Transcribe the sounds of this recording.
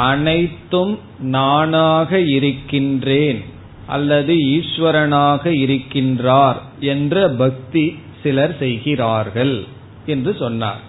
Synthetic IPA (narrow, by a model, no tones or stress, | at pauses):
ʔɐnɐɪt̪ːɯm | naːnaːɣɐɪɾɯkːɪndreːn | ʔɐ̰lːɐðɯiːʂʋɐɾɐnaːɣɐɪɾɯkːɪndraːɾ | ɛndrɐbɐk̚t̪i | sɪlɐɾsɛjɣɪraːɾɣɐɭ | ɛndrɯsɔnːa̰ːɾ